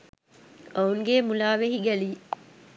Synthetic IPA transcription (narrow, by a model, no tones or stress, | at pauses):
ɐuŋɡeːmulaːʋeɦiɡæli